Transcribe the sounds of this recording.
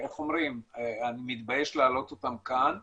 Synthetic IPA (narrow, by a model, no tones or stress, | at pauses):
eχo̞mʁimeanimit̪bajeʃlaːlo̞t̪o̞t̪amkan